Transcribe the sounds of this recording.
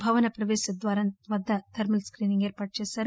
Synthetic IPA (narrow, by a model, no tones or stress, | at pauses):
bʱɐʋɐnɐpɾɐʋeːʃɐd̪ʋaːɾɐnʋɐd̪ːɐt̪ʰɐɾmilskɾiːniŋɡeːɾpaːʈ̚t͡ʃeːsɐɾ